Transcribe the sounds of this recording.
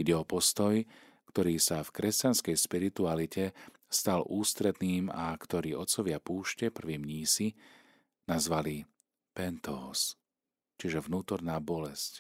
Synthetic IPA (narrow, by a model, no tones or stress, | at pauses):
iɟɛɔpɔst̪ɔj | kt̪ɔɾiːsafkɾɛscanskɛjʃpiɾit̪ualicʰɛ | st̪alʔuːst̪ɾɛd̪niːmakt̪ɔɾiːɔt̪sɔʋɪapuːʃcɛpr̩ʋiːmɲiːsi | nazʋali | pɛnt̪ɔːs | t͡ʃiʒɛʋnuːt̪ɔɾnaːbɔlɛsc